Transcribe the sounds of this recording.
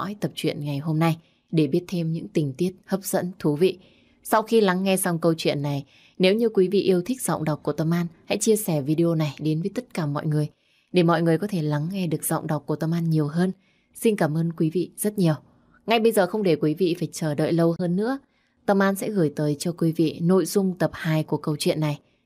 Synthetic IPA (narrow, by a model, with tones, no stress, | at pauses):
ɔ̰˧˥jt̪ə˨˩p̚t͡ɕwḭ˧˨ənŋa˨˩jɦo˧mna˧j | ɗe˧˩ɓi˦˥ət̚t̪ʰe˧mɲɨ̰˧˥ŋt̪ï˨˩ŋ̟t̪i˦˥ət̚həː˦˥p̚z̥ə̰˧˥nt̪ʰu˨˦vḭ˧˨ | sa˧wxi˧la˨˦ŋːɛ˧sa˧wŋ͡mkə˧wt͡ɕwḭ˧˨ənːa˨˩j | ne˨˦wɲɨ˧kwi˨˦vḭ˧˨ʔi˧əwt̪ʰï˦˥k̟̚z̥ɔ̰˧˨wŋ͡mɗa˨˩wk͡p̚ku˧˩ət̪ə˧mʔaː˧nha̰˧˥jt͡ɕi˧əsɛ˧˩vi˧ɗi˧o˧na˨˩jɗe˨˦nvəː˨˦jt̪ə˦˥t̚kaː˧˩mɔ̰˧˨jŋɨ˨˩əj | ɗe˧˩mɔ̰˧˨jŋɨ˨˩əjkɔ˨˦t̪ʰe˧˩la˨˦ŋːɛ˧ɗɨ˨˩ək̚z̥ɔ̰˧˨wŋ͡mɗa˨˩k͡pku˧˩ət̪ə˧mʔaː˧nɲi˨˩əwɦəː˧n | si˧nkaː˧˩mʔəː˧nkwi˨˦vḭ˧˨z̥ə˦˥t̚ɲi˨˩əw | ŋa˧jɓə˧jzəː˨˩xə˧wŋ͡mɗe˧˩kwi˨˦vḭ˧˨faː˧˩jt͡ɕəː˧˩ɗə̰ː˧˨jlə˧whəː˧nːɨ̰˧˥ə | t̪ə˧mʔaː˧nsɛ̰˧˥ɣɨː˧˩jt̪əː˨˦jt͡ɕɔ˧kwi˨˦vḭ˧˨no̰˧˨jzʊ˧ŋ͡mt̪ə˨˩p̚haː˨˩jku˧˩əkə˧wt͡ɕwḭ˧˨ənːa˨˩j